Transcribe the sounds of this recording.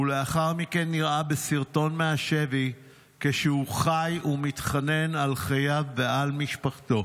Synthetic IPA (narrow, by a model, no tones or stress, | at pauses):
ule̞aχaʁmike̞nːiʁabesiʁto̞nmeaʃe̞vi | keʃeuχajumitχane̞nalχajavːe̞almiʃpaχto̞